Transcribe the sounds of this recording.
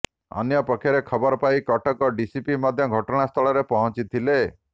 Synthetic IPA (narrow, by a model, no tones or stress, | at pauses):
ɔ̰njɔpɔkʰːjɔɾekʰɔbɔɾɔpajkɔʈɔkɔɖisipimɔd̪ʱjɔɡʱɔʈɔɽ̃ast̪ʰɔɭɔɾepɔɦɔ̃t͡ʃit̪ʰile